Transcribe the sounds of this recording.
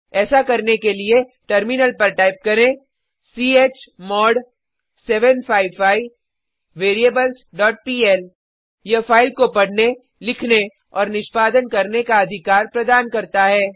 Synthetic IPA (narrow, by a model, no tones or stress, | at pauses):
ɛːsakɐɾnekelie | ʈɐɾmɪnəlpɐɾʈaːɪp̚kɐɾẽ | siːeːt͡ʃmɔːɖ | sɛːʋənpʰaːɪʋfaːɪː | eːɾieːbəlsɖɔːʈ̚piːɛl | jɐfʰaːɪlkopɐɽ̤ne | lɪkʰne | ɔːɾnɪʃpaːd̪ənkɐɾnekaɐd̪ʱɪkaːɾpɾɐd̪aːnkɐɾt̪aɦɛː